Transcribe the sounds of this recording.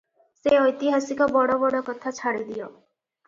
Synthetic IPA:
seɔjt̪iɦasikɔbɔɽɔbɔɽɔkɔt̪ʰat͡ʃʰaɽid̪ijɔ

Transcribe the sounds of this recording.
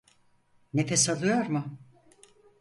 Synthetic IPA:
nefɛsalˠɯjoɾmʊ

